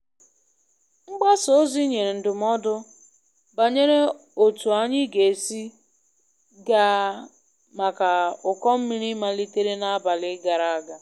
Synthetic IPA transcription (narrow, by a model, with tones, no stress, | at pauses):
ŋ͡m̩˦ɡ͡ba˦so˨o˦zi˦ɲe˨ɾe˨n̩˨dʊ˨m˦ɔ˦dʊ˦ | ba˨ɲe˦ɾe˦ | o˨tu˨a˦ɲɪ˦ɡe˨si˦ | ɡa˦ | ma˨ka˨ʊ˨kɔ˦m̩˦mi˦ɾi˦ma˦li˦te˦ɾe˦na˦a˦ba˨lɪ˦ɡa˨ɾa˦a˦ɡa˨